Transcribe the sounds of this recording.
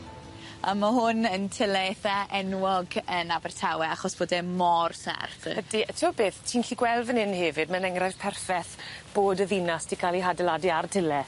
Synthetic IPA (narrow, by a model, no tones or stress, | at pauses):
a̰maɦʊnəntʰɪlɛɛθaʔɛnwɔɡənabɛrtʰawɛaχɔsb̥oːdɛmɔrsɛ̰rθədiətʰəːbeːθtʰiːnɬiɡwɛlˠvənɪnhevɨdmənɛŋrav̥pʰɛrfɛθb̥oːdəvinastʰikʰalˠiɦadɛladiartʰɪlɛ